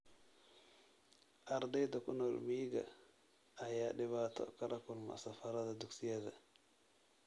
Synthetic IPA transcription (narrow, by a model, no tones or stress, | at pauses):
ʔaɾd̪ajd̪akunɔlmiːɡa̰ | ajaɗiβat̪a̰kaɾakulma̰safaɾad̪ad̪uksijad̪a